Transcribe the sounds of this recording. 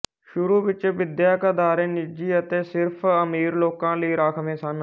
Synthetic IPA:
ʃʊɾuːʋɪt͡ʃʋɪd̪jaːkəd̪aːɾẽːnɪd͡ʒiːət̪eːsɪɾpʰəmiːɾloːkãːləiːɾaːkʰʋẽːsən

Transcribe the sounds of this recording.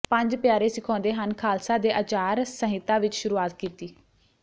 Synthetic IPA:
pəɲd͡ʒpjaːɾeːsɪkʰɔ̃ːnd̪eːɦənkʰaːlsaːd̪eːʔət͡ʃaːɾsəɦɪt̪ːãːʋɪt͡ʃʃʊɾuːaːt̪kiːt̪iː

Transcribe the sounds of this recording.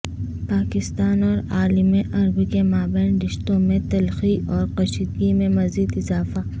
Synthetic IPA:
paːkɪst̪aːnɔːɾaːlimẽʔɐɾbikemaːbɛ̃ːnɾɪʃt̪õmẽt̪ɐlxiʔɔːɾqɐʃid̪ɡimẽmɐziːd̪ɪzaːfa

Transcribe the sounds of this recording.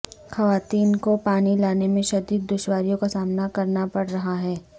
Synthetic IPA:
xɐʋaːt̪iːnkopaːnilaːnemẽʃɐd̪ik̪̚d̪ʊʃwaːɾijõkasaːmnakɐɾnapɐɽɾɐɦaɦɛː

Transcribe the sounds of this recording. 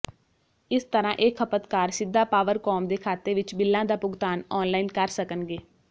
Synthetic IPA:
ɪst̪əɾãːʔeːkʰːəpət̪kaːɾsɪd̪ːaːpaːʋəɾkɔːmd̪eːkʰaːt̪eʋɪt͡ʃbɪlːãːd̪aːpʊɡt̪aːnɔːnlaːiːnkəɾsəkənɡeː

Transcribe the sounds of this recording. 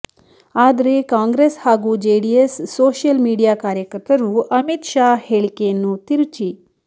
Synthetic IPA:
aːd̪ɾekãːŋɡɾeshaːɡud͡ʒeɖiesːoːʃjəlmiːɽijakaːɾjəkəɾt̪ɐɾuʔɐmit̪ʃaheɭkenːuːt̪iɾt͡ʃi

